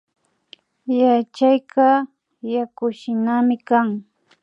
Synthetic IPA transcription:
jat͡ʃajkɑ | jakʊʃɪnamɪkaŋ

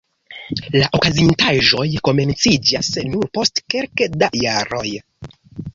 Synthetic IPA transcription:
laʔo̞kazintaʒo̞jko̞me̞nt͡sid͡ʒasnuɾpo̞stke̞lkedajaɾo̞j

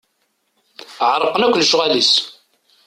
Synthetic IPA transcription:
ʕɾˤəqnækʷːnʃʁælis

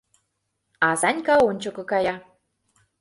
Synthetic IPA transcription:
ɑzɑnʲkɑonʲt͡ɕə̆kɤ̆kɑjɑ

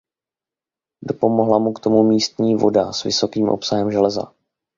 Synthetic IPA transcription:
do̞po̞moɦlamukt̪o̞mumiːst̪ɲiːvo̞̰dasvɪ̰so̞kiːmʔo̞̰psaɦɛmʒɛlɛza̰

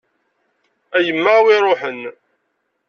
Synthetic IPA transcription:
æjəmːawɪɾˤoħən

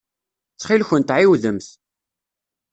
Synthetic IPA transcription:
t͡sːχilçənt̪ʕiwðəmθ

